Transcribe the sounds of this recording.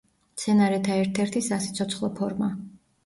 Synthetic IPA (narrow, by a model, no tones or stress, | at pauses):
t̪sʰɛnaɾɛt̪ʰaɛɾt̪ʰɛɾt̪ʰisasi̥t̪sʰɔt̪sʰχlˠɔpʰɔɾma